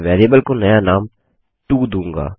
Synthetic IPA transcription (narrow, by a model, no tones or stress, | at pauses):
ʋɛːɾeːbəlkonɐjanaːm | ʈuːd̪ũːŋɡa̰ː